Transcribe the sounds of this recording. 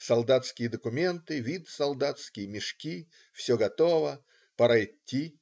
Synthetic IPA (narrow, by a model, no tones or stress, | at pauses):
sɐlˠd̪at̪skʲɪjəd̪əkʊmʲe̞nt̪ɨvʲit̪sɐlˠd̪at̪skʲɪjəmʲɪʂkʲi | fsʲoɡɐt̪o̞və | pəɾajɪtʲːi